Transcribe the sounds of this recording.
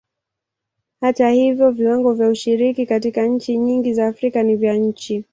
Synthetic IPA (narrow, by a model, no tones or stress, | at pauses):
hatahivjɔviwaŋɡɔvjauʃiɾikikatikaɲ̩t͡ʃiɲiŋɡizaːfɾikanivjaɲ̩t͡ʃi